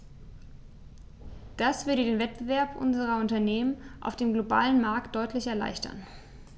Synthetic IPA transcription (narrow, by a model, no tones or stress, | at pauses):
d̥asv̥ʏɐdədeːnvɛt̚b̥əvɛɐpʔʊ̰nzəʁɐʊntɐneːmənʔa̰ʊfd̥eːmɡloba̰ːlənmaɐk̚t̚d̥ɔʏtʰlɪçɛɐla̰ɪçtʰɐ̰n